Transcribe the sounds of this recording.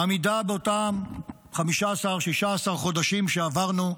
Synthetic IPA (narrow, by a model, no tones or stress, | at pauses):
hamid̪abeot̪am | χamiʃaːsaʁʃiʃaːsaʁχo̞d̪aʃimʃeavaʁnu